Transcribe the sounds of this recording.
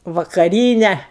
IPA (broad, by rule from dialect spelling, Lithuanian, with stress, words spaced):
ʋɐkɐˈrʲiːnʲɛ